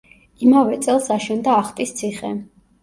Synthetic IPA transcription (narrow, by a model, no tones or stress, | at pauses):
imavɛt̪sʼɛlˠsaʃɛnd̪aːχt̪ʼist̪sʰiχɛ̰